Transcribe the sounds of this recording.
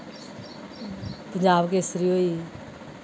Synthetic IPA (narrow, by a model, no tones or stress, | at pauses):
pəɲd͡ʑaːbkesɾioːiː